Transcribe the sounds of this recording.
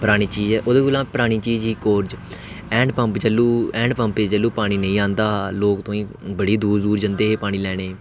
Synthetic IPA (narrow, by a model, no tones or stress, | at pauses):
pəɾaːɽ̃iːt͡ʃiːzɛːʔʊd̪eːkolãːpəɾaːɽ̃iːt͡ʃiːzɦiːkoːɾd͡ʒ | ɛ̃ːɳɖpə̃mpd͡ʒəlːuːɛ̃ːɳɖpə̃mpeːd͡ʒəlːuːpaːɽ̃iːnəĩːãːnd̪aːloːkt̪õːĩː | bəɽiːd̪uːɾd̪uːɾd͡ʒə̃nd̪eːɦeːpaːɽ̃iːlɛːɽ̃eː